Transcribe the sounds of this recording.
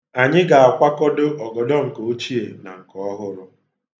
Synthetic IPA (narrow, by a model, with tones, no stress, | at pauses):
a˨ɲɪ˦ɡa˨a˨kʷa˦kɔ˦dʊ˦ɔ˨ɡɔ˨dɔ˦ŋ̩˨ko˨o˦t͡ʃi˦e˨na˨ŋ̩˨kɔ˨˦ɔ˦ɦʊ˦ɾʊ˦